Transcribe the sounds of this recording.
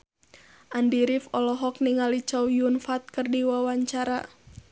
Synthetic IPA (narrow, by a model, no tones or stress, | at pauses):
ʔandiɾifɔlɔɦɔk̚niŋalit͡ʃɔwjunfat̪̚kɨrdiwawaɲt͡ʃaɾa